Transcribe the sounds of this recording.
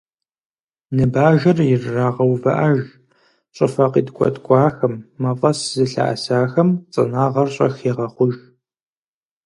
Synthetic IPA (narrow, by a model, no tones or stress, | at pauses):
nɨbaːʒɐrjɪrːaːʁɐwvɐʔɐʒ | ɕʷʼɪfɐqiːdkʷʰʼɔ̰tʰʼkʷʼɑːxɐmːɐfʼɐszɨɬa̰ʔa̰saːxɐmt͡sʼɐ̰naːʁɐrɕʼɐ̰xeːʁɐχʷʊʒ